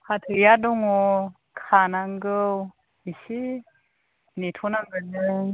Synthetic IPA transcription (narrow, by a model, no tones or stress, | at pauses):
kʰatʰɯjaduŋɔ | kʰanaŋɡɯw | isi | nitʰɔnaŋɡɯnɯ